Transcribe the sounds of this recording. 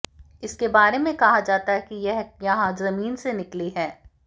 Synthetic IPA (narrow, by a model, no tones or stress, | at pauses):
ɪskebaːɾemẽkɐɦad͡ʒaːt̪aɦɛkijɛɦjɐɦãzɐmiːnsenɪkliɦɛː